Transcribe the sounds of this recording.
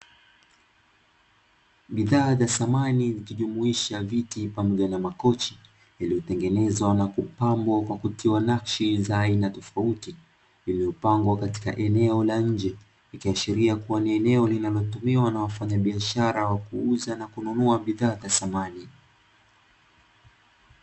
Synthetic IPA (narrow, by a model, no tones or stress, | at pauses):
ɓiðaːðasamanizikiʄumuiʃavitipamɔʄanamakɔt͡ʃi̥ | jalijɔtɛŋɡɛnɛzwanakupambɔkwakutʰiwanakʃizaːinatɔfauti | limɛupaŋɡwakati̥ka̰ʔɛnɛɔlaɲ̩d͡ʒɛ | ikiaʃiɾiakuwaniɛnɛɔlinalɔtumiwanawafaɲaɓiaʃaɾawakuuzanakununuaɓiðaːðasamani